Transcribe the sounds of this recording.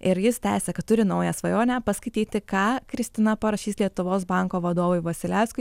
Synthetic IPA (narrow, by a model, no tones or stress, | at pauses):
ɪɾjɪst̪ʲæːsʲɛkɐt̪̚t̪ʊɾʲɪnɐʊjæsʋɐjoːnʲæpɐskɐɪt̪ʲiːt̪ʲɪkɑːkɾʲɪsʲt̪ʲɪnɐpɐɾɐʃʲiːslʲiɛt̪ʊʋoːsbɐŋkoːʋɐd̪oːʋʊɪʋɐsʲɪlʲæʊskʊɪ